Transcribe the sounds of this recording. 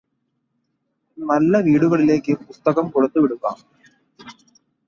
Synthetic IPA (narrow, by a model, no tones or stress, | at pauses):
nɐlːɐʋiːɽuɣɐɭile̞ːkːɨpust̪ɐɣɐmkuɽut̪ːuʋiɽukːa̰ːm